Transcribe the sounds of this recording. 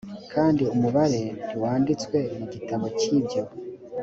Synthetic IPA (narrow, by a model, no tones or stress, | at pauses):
kʰaːndiumuβaɾe̞niwaːndit͡swe̞muɟitaβo̞cibɟo